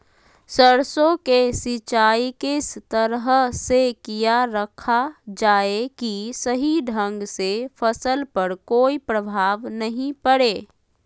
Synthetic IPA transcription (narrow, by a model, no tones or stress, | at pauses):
səɾsõkesɪt͡ʃaːikest̪əɾɦsekijaɾəkʰad͡ʒaːekisəɦiɖʱə̃ŋɡsefʰəsəlpəɾkoːipɾəbʱaːʋnəɦĩpəɽeː